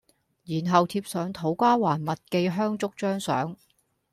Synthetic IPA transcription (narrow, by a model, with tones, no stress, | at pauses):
jiː˨˩nɦɐ˨wt̪ʰiː˧p̚sœː˨˥ŋt̪ʰo˨˧˥wkʷaː˥waː˨˩nmɐ˨t̚ke˧jɦœː˥ŋt͡sʊ˥k̚t͡ʃœː˥ŋsœ̰ː˨˥ŋ